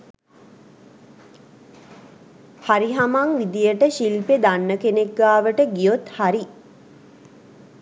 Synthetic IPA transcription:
haɾiɦamaŋʋid̪ijəʈəʃilped̪anːəkenekɡaːʋəʈəɡijot̪haɾi

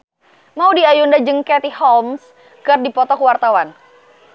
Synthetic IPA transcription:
maudiajundad͡ʒəŋkɛt̪ihɔlms | kərdipɔt̪ɔkwart̪awan

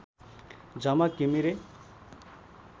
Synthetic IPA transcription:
d͡zʌmakimiɾe

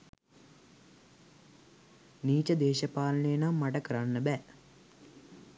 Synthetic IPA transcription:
niːt͡ʃɐd̪eːʃɐpaːlɐneːnamːaʈɐkəɾanːəbɛː

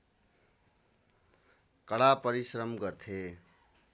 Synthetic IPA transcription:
kʌɽapʌɾisɾʌmɡʌɾt̪ʰe

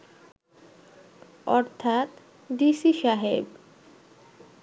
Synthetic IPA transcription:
ɔ̰ɾt̪ʰat̪ | disiʃaɦeb

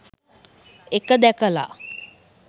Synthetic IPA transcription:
ekəd̪ɛkəla̰

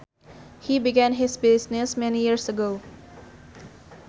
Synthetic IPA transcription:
hibiɡɛ̃nɦɪsbɪsnɪsmɛnijiɹsəɡo

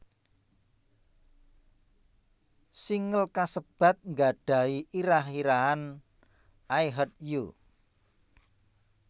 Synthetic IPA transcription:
siŋəlkasəb̥a̤t̪̚ŋɡa̤ɖ̥ä̤iʔiɾahiɾaɦan | aiɦɔt̪̚ju

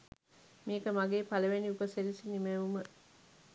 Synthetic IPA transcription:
meːkəmaɡeːpaləʋeniupəseɾisinimeʋumə

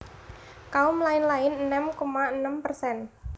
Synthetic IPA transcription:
kaumlaɪnlaɪnənəmkomaənəmpərsɛn

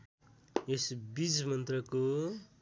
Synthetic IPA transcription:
esbid͡zmʌnt̪rʌko

